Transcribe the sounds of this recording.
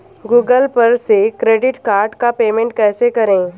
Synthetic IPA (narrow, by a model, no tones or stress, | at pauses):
ɡuːɡəlpɐɾsekɾeːɖɪʈkaːɾɖkapeːmẽɳʈkɛːsekɐɾẽː